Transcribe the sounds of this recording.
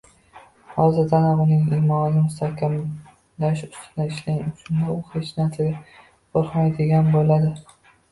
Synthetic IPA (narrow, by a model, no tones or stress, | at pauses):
hɒzɪɾd̪anaʊnɪŋiːmɒnɪnɪmʊst̪ʰahkʲam | laʃʊ̥st̪ʰɪnɪɪʃlaŋʊt͡ʃʰʊnd̪aʊhet͡ʃnat̪ʰaɡʲɪ | qʰoɾqmajd̪ɪɡʲanbolad̪ɪ